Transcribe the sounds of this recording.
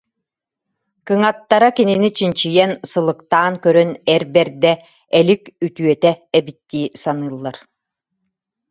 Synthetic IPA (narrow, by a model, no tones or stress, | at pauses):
kɯŋat̪ːaɾakininit͡ɕint͡ɕijɛnsɯlˠɯkt̪aːnkœɾœnɛɾbɛɾd̪ɛ | ɛlikyt̪yœt̪ɛɛbit̪ːiːsanɯːlˠːaɾ